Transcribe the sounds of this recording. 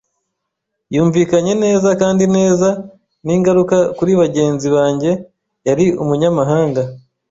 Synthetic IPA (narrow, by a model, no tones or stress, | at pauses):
juːɱviːkaɲe̞ne̞ːzakaːndine̞ːza | niːŋɡaɾukakuɾiβaɟe̞ːnziβaːɲɟe̞ | jaɾiumuɲamaɦaːŋɡa